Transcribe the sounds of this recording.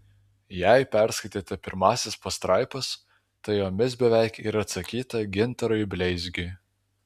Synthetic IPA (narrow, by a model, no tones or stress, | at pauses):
jæˑɪpʲæˑɾskɐɪt̪ʲeːt̪ʲɛpʲɪɾmɑːsʲɪspɐst̪ɾɑˑɪpɐs | t̪ɐɪjoːmʲɪsbʲɛʋʲæˑɪkiːɾɐɐt̪sɐkʲiːt̪ɐɡʲɪnˑt̪ɐɾɔɪbʲlʲɛɪzʲɡʲʊɪ